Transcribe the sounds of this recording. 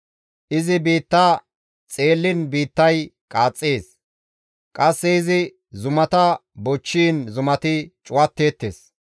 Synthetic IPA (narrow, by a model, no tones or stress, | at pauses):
ʔɪzɪbiːt̪ːaː | t͡sʼeːlːɪnbiːt̪ːɐjkʼaːt͡sʼːeːs | kʼɐsːɛɪzɪ | zʊmɐt̪ɐbɔt͡ʃːiːnzʊmɐt̪ɪt͡ʃʼʊwɐt̪ːe̞ːt̪ːḛːs